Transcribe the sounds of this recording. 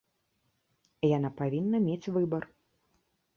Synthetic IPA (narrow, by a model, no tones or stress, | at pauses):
janapavʲinːɐmʲet͡sʲvɨbɐr